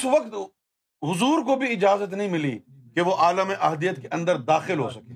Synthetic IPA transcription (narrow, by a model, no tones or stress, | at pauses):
ɪsʋɐkt̪ | ɦʊzuːɾkobʱiɪd͡ʒaːzət̪nɐɦĩmɪlḭ | keʋoʔaːləmẽʔɐɦd̪ijət̪̚keʔɐ̃nd̪əɾd̪aːxɪlɦo̰sɐkẽː